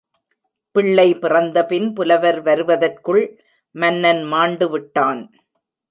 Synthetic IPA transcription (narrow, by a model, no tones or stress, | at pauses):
pɪɭːɐɪpɪrɐnd̪ɐpɪnpʊlɐʋɐɾʋɐɾɯʋɐðɐrkɯɭ | mɐnːɐnmaːɳɖɯʋɪʈːaːn